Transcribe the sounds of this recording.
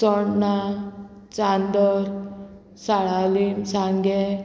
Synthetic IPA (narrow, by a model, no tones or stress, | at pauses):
sɔɽna | t͡ʃand̪ɔɾ | saɭalimsaŋɡɛ